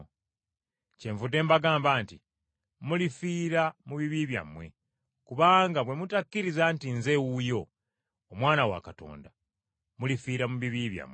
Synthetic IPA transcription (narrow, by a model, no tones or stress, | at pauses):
ce̞ɱvudːe̞ːmbaɡaːmbaːnti | mulifiːɾamuβiβiβja̰mwe̞̰ | kuβaːŋɡaβwe̞mutakːiɾizantinze̞wujo̞ː | mwaːnawa̰kato̞̰ːnda | mulifiːɾamuβiβiβja̰mwe